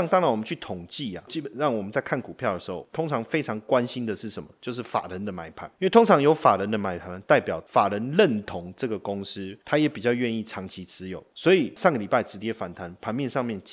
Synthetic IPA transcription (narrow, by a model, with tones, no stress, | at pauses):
ŋt̪ɑ˥ŋɻa˧˥nwɔ˨˩mə˦nt͡ɕʰy˥˩t̪ʰʊ˨˩ŋt͡ɕi˥˩a̰˨t͡ɕi˥˩pə˨˩nɻɑ˥˩ŋwɔ˨˩mə˦nt͡sa˥˧ɪkʰa˥˩nku˨˩pʰjɑ˥˩ʊd̪ə˩ʂ̩˧˥xo̰˥˩ʊt̪ʰʊ˥ŋʈ͡ʂʰɑ˧˥ŋfe˥ɪʈ͡ʂʰɑ˧˥ŋkwa˦˥nɕi˦˥nd̪ə˨ʂɻ̩˥˩ʂə˨˦mə̰˦t͡ɕjo˥˧ʊʂ̬ɻ̩˥˩fa̰˨˩ɻə˨˦nd̪ə˨ma˧˥ɪpʰa̰˨˩˦ni˥nwe˥˩ɪt̪ʰʊ˥ŋʈ͡ʂʰɑ˧˥ŋjo˧˥ʊfa˨˩ɻə˧˦nd̪ə˨ma˧˥ɪpʰa˨˩n˨t̪a˥˩ɪpjɑ˨˩ʊfa˨˩ɻə˧˥nlə˥˨nt̪ʰʊ˧˥ŋʈ͡ʂɤ˥˨˩ɡə˩kʊ˥ŋs̩˥t̪ʰa˥jɛ˨˥pi˨˩t͡ɕjɑ˥˧ʊɥɛ˥˧ni˥˩ʈ͡ʂʰɑ˧˥ŋt͡ɕʰi˧˥t͡sɹ̩˥jo˨˩˦ʊswɔ˧˥i˨˩ʂɑ˥˩ŋɡə˩li˨˩pa˥˩ɪʈ͡ʂɻ̩˧˥t͡ɕjɛ˥fa˨˩nt̪ʰa˧˦npʰa˧˥nmjɛ˥˧nʂɑ˥˧ŋmjɛ˥˩n